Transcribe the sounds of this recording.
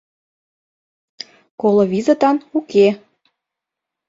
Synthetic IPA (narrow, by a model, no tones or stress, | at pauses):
kolŏβʲizət̪ɑnuke